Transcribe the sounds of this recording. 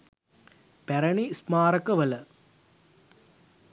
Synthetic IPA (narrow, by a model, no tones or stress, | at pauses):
pɛɾɐɳismaːɾɐkɐʋɐlɐ